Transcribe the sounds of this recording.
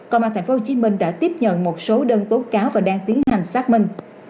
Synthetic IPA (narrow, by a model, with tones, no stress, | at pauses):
kɔ˧˩wmaː˧t̪ʰŋ̟fo˧˦ho˧t͡ɕi˨˦mï˧ŋ̟ɗa̰ː˧˥t̪i˦˥əp̚ɲə̰˧˨nmo˨˩t̚so˨˦ɗəː˧nt̪o˨˦jkaː˨˦wvaː˨˩ɗaː˧ŋt̪i˨˦ənha˨˩jŋ̟saː˦˥k̚mï˧ŋ̟